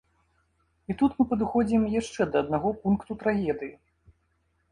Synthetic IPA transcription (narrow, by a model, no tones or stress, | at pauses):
it̪ut̪mɨpɐd̪ɨxɔd͡zʲimjaʂt͡ʂɛd̪ɐːd̪naɣɔpunkt̪ut̪ɾaɣʲɛd̪ɨji